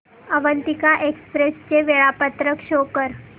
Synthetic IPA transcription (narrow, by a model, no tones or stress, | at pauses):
əʋənt̪ikaʔekspɾest͡ɕeʋeɭapət̪ɾəkʂokəɾ